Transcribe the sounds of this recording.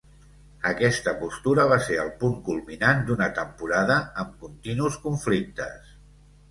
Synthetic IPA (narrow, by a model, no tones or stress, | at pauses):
əkɛst̪əpust̪uɾəβ̞aseəlˠpuŋkulˠminand̪unət̪əmpuɾaðəəmkunt̪inuskuɱflik̚t̪əs